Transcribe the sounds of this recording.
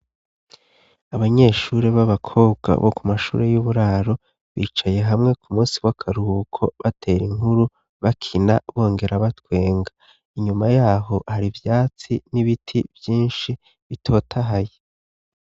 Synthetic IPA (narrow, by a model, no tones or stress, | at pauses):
aβaɲe̞ːʃuɾeβaβakʰo̞ːbɡa̰βokumaʃṵːɾe̞juβuɾaːɾo̞ | βiːt͡ʃaje̞ɦamŋe̞kumuːsiwakʰaɾuhukʰo̞βatʰe̞ːɾiŋhuɾu | βakʰinaβo̞ːŋɡe̞ɾaβatwe̞ːŋɡa | iɲumajaːɦo̞haɾivjaːt͡siniβitʰiv̥jiːnʃi | βitʰo̞ːtʰaɦaje